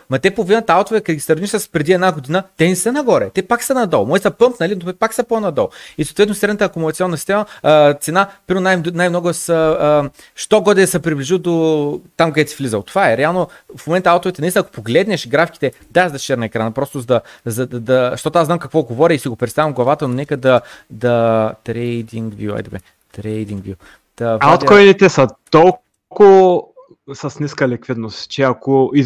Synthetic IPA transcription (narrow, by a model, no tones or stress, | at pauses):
mɐt̪ɛpovinət̪alˠt̪ovɛkɐt̪ɡʲisɐɾniʃsəspɾɛd̪iɛd̪naɡod̪inət̪ɛnisənɐɡɔɾɛt̪ɛpaksənɐd̪ɔlˠmɔjit̪ɐpɤmpnɐlinoɛpaksəpɔnɐd̪ɔlˠisot̪vɛt̪nosɛd̪nət̪əːkʊmʊlˠɐt̪sʲɔnːəsi̥st̪ɛmət̪sɛnapiɾonajnajmnɔɡʊsə | ʃt̪ɔɡɔd̪ɛsəpɾibliʒid̪ot̪amkd̪ɛt̪si̥flʲizət̪ovaɛɾɛalˠnofmomɛnt̪əalˠt̪ovit̪ɛnisnɐko̥poɡlɛd̪nɛʃɡɾafiki̥t̪ɛd̪aɛʒd̪ɐst͡ʃɛɾnɐɛkɾanəpɾɔst̪ʊzɐd̪ɐzɐd̪d̪ɐʃt̪ɔt̪oaznamkɐkvɔɡovɔɾʲiisiɡopɾɛt̪t̪avɐmɡlˠɐvat̪ənonɛkəd̪ɐd̪ɐt̪ɾɛd̪iŋɡvjua̰jd̪ɛbɛ | t̪ɾɛjd̪iŋɡvju | d̪̥ɐat̪kɔjnit̪ɛsɐt̪ɔlˠ | ko | sɐsniskəlɛkvid̪nost̪t͡ʃɛɐkoi